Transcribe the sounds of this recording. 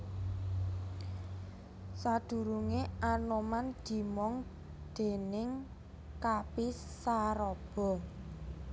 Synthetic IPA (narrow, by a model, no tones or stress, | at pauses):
sad̪̥ṳɾuŋeanomand̪̥i̤mɔŋ | d̪̥e̤nɪŋ | kapisːaɾɔb̥ɔ̤